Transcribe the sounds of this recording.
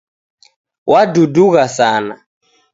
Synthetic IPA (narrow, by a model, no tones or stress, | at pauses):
waduduɣasaːna̰